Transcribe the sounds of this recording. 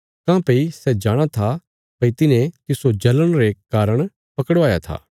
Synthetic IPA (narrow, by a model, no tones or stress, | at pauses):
kãːpɐisɛd͡ʒaːɽ̃at̪ʰa | pɐit̪ɪnẽt̪ɪsod͡ʒɐləɽ̃ɾekaːɾəɽ̃ | pɐkəɽʋaːjat̪ʰa̰ː